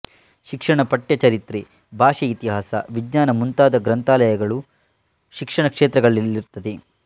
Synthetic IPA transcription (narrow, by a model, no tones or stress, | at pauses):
ʃikʂɐɳɐpɐʈjɐt͡ʃɐɾit̪ɾi | bʱaːʂiit̪iɦaːsɐ̰ʋid͡ʒɲaːnɐmunt̪aːd̪ɐɡɾɐnt̪aːlɐjɐɡɐɭu | ʃikʂɐɳɐkʂeːt̪ɾɐɡɐɭilːiɾt̪ɐd̪e